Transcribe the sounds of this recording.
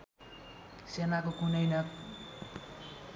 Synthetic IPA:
senakokunʌjna

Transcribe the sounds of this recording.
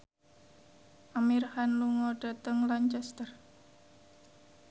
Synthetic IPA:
ʔamirhanluŋɔɖ̥a̤t̪əŋlaɲt͡ʃɛst̪ər

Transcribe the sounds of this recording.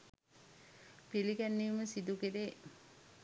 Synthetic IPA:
piliɡænːiːməsid̪ukiɾe

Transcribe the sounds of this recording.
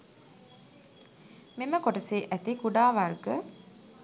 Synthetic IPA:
meməkoʈəseːʔæt̪ikuɖaːʋarɡə

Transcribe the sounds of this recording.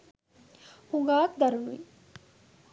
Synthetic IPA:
huŋɡaːkd̪ɐɾunuḭ

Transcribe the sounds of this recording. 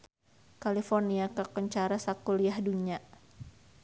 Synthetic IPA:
kalifɔrniakakəɲt͡ʃaɾasakuliahduɲa

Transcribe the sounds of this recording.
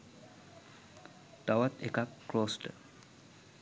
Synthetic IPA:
ʈawat̪ḛkakːloːsʈə

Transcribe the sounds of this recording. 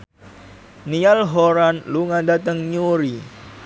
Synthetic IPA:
nialɦoɾanluŋadat̪əŋɲuɾi

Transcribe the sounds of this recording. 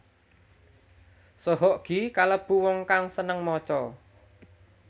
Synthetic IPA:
sɔɦɔʔɡ̥i̤kaləb̥ṳwɔŋkaŋsənəŋmɔt͡ʃɔ

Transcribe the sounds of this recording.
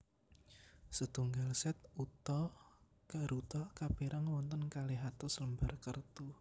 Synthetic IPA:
sət̪uŋɡalsɛt̪̚ut̪ɔ | kaɾut̪ɔkab̥eɾʔaŋwɔnt̪ənkaleɦat̪ɔsələmbarkərt̪u

